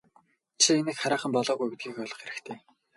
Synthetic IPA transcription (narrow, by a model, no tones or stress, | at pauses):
t͡ɕʰienɘ̆kχaɾaːχə̆mpɔɮɔːɣujĕt̪̚ɡiːxɔɮɞ̆χxeɾɘ̆kt̪ʰeː